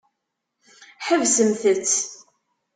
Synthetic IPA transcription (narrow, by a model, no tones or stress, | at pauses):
ħəvsəmθət͡sː